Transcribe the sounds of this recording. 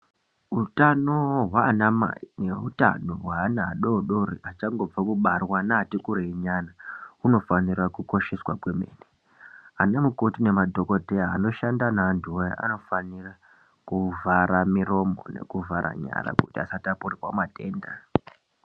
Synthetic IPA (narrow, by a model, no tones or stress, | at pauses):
utano̞ɦwaːnama̰ineuta̰no̞ɦwaːnaːɗoɗoriat͡ʃaŋɡo̞b͡vakuɓarwanaːtikuɾeiɲanauno̞fanirakuko̞ʃeswakwe̞mḛːni | anemukotine̞madʱo̞ko̞dʱe̞jaːno̞ʃandanaːntʰuoja̰ʔa̰no̞fanira | kuvaɾamiro̞mo̰ne̞̰kuvaɾa̰ɲa̰ɾa̰kutiasatapurirwa̰mateːnda̰